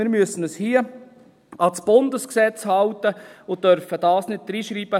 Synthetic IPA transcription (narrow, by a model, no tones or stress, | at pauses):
mɪɾmyəsənəshiə | ɑsb̥ʊndəsksɛt͡shɑltəʊœɾfəd̥ɑːsnɪt̚d̥ɾiːʃɾiːb̥ə